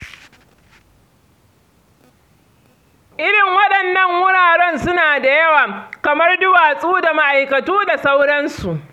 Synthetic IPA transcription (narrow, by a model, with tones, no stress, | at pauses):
ʔɪ˦ɽɪ˨ŋwɐ˦ɗɐ˨nːɐ˦˨ŋwʊ˦ɽaː˨ɽɛ˦nsʊ˦naː˨da˨jɐ˦waː˨kɐ˨mɐ˦rdʊ˦waː˨sʼuː˦da˨ma˦ʔa˨jkɐ˨tuː˦da˨sa˦wɽɐ˦nsu˨ʔ